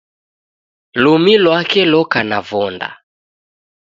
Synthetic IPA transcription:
lumilwakɛlɔkanavɔnda̰

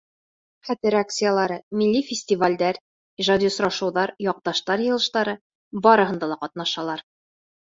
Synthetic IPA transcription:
χæt̪ɘɾakt̪sɨjəlˠɑɾɤmilːifʲɪsʲtʲivalʲd̪æɾ | iʒad̪ʲisɾɑʃɤ̆wðɑɾjɒq̚t̪ɑʃt̪ɑɾjɤ̆lˠɤ̆ʃt̪ɑɾɤ | bɒɾɤ̆ɦɤ̆nd̪ɑlˠɑqɒt̪nɑʃɑlˠɑɾ

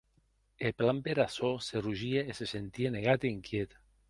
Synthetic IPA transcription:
eplampeɾasoseruʒieesesent̪ieneɣ̞at̪eiŋkjet̪

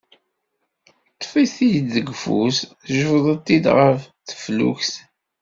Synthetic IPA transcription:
t̪ˤːfiθijd̪ðəɡfṵs | ʒəfðˤət̪ːid̪ʁəfθə̥flṵçθ

